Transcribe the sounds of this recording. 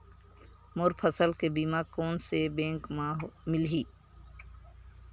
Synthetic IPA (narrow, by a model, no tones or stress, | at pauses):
moːɾpʰəsəlkebiːmaːkoːnsebẽːŋkːmɪlɦiː